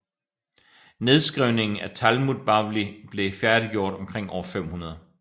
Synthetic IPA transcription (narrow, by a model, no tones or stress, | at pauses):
ne̝ð̞ˠsɡ̥ʁiʊne̝ŋn̩æt͡sʰælmuðˠb̥ɑ̈ʋlib̥le̝fjæɐd̥iɡ̥jo̝ɐ̰d̥ɒ̽mkʰʁeŋ̰ɒ̰ːɐfem̰hunɐð̞ˠ